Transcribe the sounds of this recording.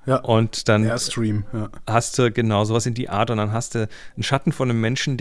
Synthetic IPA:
jʔʊntd̥anstʁiːmjahastd̥uːɡənaʊzoːvasɪndiːʔa̰ːɐtʊntd̥anɦastd̥un̩ʃatn̩fɔnːəmːɛnʃn̩d

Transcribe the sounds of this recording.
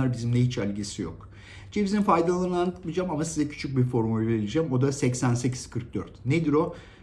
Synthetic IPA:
aɾbizimd̪ɛɦit͡ʃælʲɟesijo̞̰k | t͡ʃʰebizimfajd̪alˠɯnɯnanʰɯkmid͡ʒamamasizɛcʰy̥t͡ʃʰyc̚biɾfo̞ɾmulʲveɾilʲid͡ʒæmo̞d̪asɛcsænsecʰi̥z̥kʰɯɾk̚d̪øɾt̪ned̪iɾo̞

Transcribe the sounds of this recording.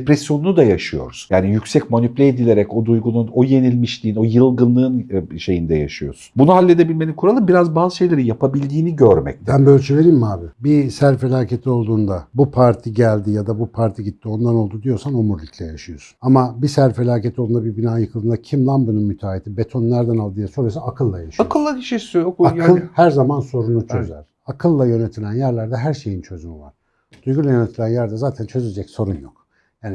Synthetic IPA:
pɾɛsjo̞nunud̪ajaʃɯjo̞̰ɾuz̥jaːnijycsɛcmo̞nypʲlʲeːd̪ilʲe̞ɾɛco̞d̪ujɡununo̞je̞nilʲmiʃlʲiːno̞jɯlˠɡɯnlːˠɯːnʃe̞jind̪ɛja̰ʃɯjo̞̰sunbunuɦalʲːe̞d̪e̞bilʲme̞nimkʰuɾalˠɯmbiɾazbaːzɯʃe̞jlʲe̞ɾinjapabilʲd̪iːniɟøɾmɛ̰c̚t̪ʰænbølʲt͡ʃʰelʲeɾimmaːbɪbisæɾfelʲaːcʰe̞t̪ʰio̞lˠd̪uːnd̪abupʰaɾt̪ʰiɟælʲd̪ijad̪abupʰaɾt̪ʰiɟit̪ːio̞nd̪ano̞lˠd̪ud̪ijo̞ɾsanomuɾlʲicʰlʲɛjaʃɯjo̞su̥namabisæɾfe̞lʲaːcet̪ʰiolˠd̪und̪abibinaːjɯkʰɯlˠd̪ɯːnd̪acʰimlˠanbɯnɯnmyt̪ʰaːet̪ʰibe̞t̪ʰo̞nnːæɾd̪ænalˠd̪ɯːjasoɾajosaakʰɯlˠːajaʃɯaokɯlˠːad̪iʃisyjokaɯlˠhæɾzamanso̞ɾunut͡ʃʰøzæ̰ɾ̥ | akʰɯlˠːajø̞ne̞t̪ʰilʲænjæɾlʲæɾd̪ɛɦæɾʃe̞jint͡ʃʰø̞zymiva̰ɾ̥ | d̪̥ujɡulʲˠajø̞ne̞t̪ʰilʲænjæɾd̪ɛzaːt̪ʰænt͡ʃʰø̞zed͡ʒɛcso̞ɾunjok̚ | jaːni

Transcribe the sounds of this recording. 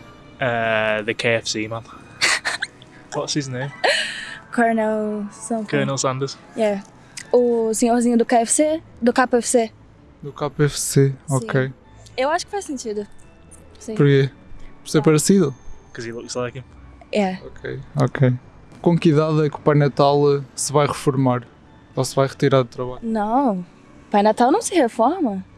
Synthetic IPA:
ɐðəkʰeɪɛfsimãt̪ | wɔtsiznẽm | kʰɔɾnɛlsãkʰɜːnɛlˠsãnd̪əz̥ | jɛ | ʊsĩozĩɲʊd̪ʊkeɛfse | d̪ʊkapɛfse | d̪ʊkapɛfseõkej | ewaʃʊ̥kɪ̥fazsẽnt͡ʃiðʊ | sĩpuɾkepɔɾseɾpɐɾsiðʊkɐziluisaɐkẽɛɔkʰejɔkʰej | kõkiðaðɛkupajnɐt̪alˠsɨvajʁɨfuɾmaɾ | ɔsvajʁɨt̪iɾaɾðut̪ɾɐβaʎnɐ̃w̃ | pajnɐt̪alˠnɐ̃w̃sɪhefɔɾmɐ

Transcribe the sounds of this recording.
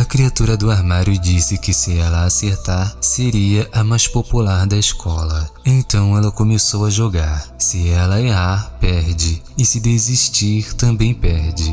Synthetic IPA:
ɐkɾiat̪uɾɐd̪ʊaɾmaɾjʊd͡ʒisɪkɪsɪɛlɐːseɾt̪aɾseɾiɐʔɐmajspopulaɾd̪ɐeskʰɔlɐẽt̪ɐ̃w̃ɛlɐkõmesowɐʒoɡaɾsɪɛlɐeɦaɾpɛɾd͡ʒɪɪsɪd̪eziʃt͡ʃiɾt̪ɐ̃bẽj̃pɛɾd͡ʒɪ

